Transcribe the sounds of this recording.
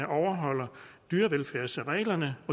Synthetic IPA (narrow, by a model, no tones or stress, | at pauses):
əʔɒʊɐɦɒ̽l̰ɐd̥yːɐʋelfæɐ̰səʁɛ̰ːlɐnəɒ̽